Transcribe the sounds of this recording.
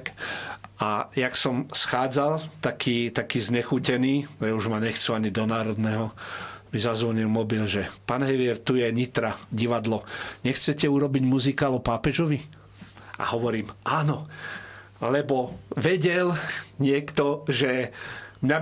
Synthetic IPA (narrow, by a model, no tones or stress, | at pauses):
k | ajaksɔmsxaːd͡zalt̪akʰiːt̪akiːzɲɛxucɛniːjauʒmaɲɛxt͡suaɲid̪ɔnaːɾɔd̪nɛɦɔmizazʋɔɲilmɔbilʒɛpaːnɦɛʋɪɛɾt̪ujɛɲit̪ɾaɟiʋad̪lɔɲɛxt͡sɛcɛuɾɔbiɟmuzikaalɔpaːpɛʒɔʋi | ʔa̰hɔʋɔɾiːmʔaːnɔ | lɛbɔʋɛɟɛlɲɪɛkt̪ɔʒɛmɲa